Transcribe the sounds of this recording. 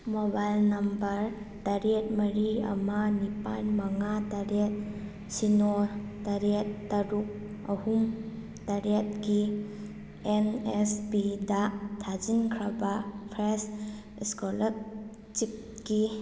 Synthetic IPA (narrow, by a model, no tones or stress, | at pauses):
mobajlnɐmbɐɾ | taɾet̚mɐɾiɐ̰manipa̰nmɐŋataɾet̚ | sinotaɾet̚ːɐɾuk̚ | ɐhum | taɾet̚ɡi | enesbidatʰad͡ʒinkʰɾɐbapʰɾes | ɛskolɐk̚ | t͡ʃip̚ | ɡi